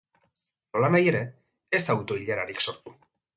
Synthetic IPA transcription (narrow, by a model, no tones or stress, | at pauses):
no̞lanaje̞ɾe̞ː | st̪awt̪o̞iʎaɾaɾikso̞ɾt̪u̥